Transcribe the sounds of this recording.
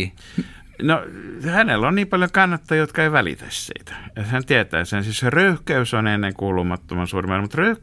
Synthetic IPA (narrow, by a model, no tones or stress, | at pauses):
nohænelːonniːmpɑljoŋkɑnːɑt̪ːɑjjot̪kɑeiʋælḭt̪æ̰ssḭːt̪æ̥jɑhænt̪iæt̪æ̰ːsensisserøyhkæysonenːeŋkuːlumɑt̪ːomɑnsuːrimɑˑnmut̪røyhk